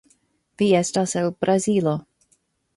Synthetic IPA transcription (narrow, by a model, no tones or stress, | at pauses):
viɛstasɛlb̥ɾazilo